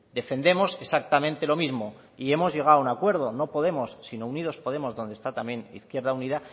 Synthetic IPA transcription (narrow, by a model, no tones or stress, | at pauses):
d̪e̞fe̞nd̪e̞mo̞se̞sak̚t̪amẽnt̪e̞lo̞mizmo̞ | ie̞mo̞zʝe̞ɣ̞aounakwe̞ɾð̞o̞no̞po̞ðe̞mo̞sːino̞uniðo̞spo̞ð̞e̞mo̞zðo̞nd̪est̪at̪amje̞nḭθkje̞ɾð̞auniða